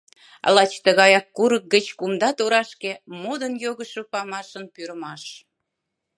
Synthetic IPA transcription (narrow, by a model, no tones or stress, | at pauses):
lɑt͡ɕt̪əɣɑjɑkːuɾək̚ɡət͡ɕkumd̪ɑt̪oɾɑʃkemod̪ənjoɣəʃopɑmɑʃənpyɾəmɑʃ